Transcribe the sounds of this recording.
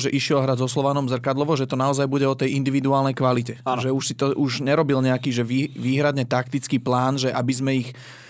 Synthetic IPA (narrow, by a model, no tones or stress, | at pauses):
ʒɛʔiʃɪɛlɦɾazɔslɔʋanɔmzr̩kad̪lɔʋɔʒɛt̪ɔnaɔzajbuɟɛɔt̪ɛjind̪iʋid̪uaːlnɛjkʋalicɛʒɛuʃsit̪ɔʔuʒɲɛɾɔbilɲɛakiːʒɛʋiːʋiːɦɾad̪ɲɛt̪ak̚t̪it͡skiːplaːnʒɛʔabizmɛix